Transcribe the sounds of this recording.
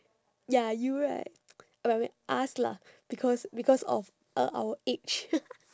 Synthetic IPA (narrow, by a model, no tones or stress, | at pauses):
jajuɹa̰ | abamɛ̃ʔasla̰ | b̥ikʰɔsbikʰɔsɔ̰f | ʔəʔa̰wəet͡ʃ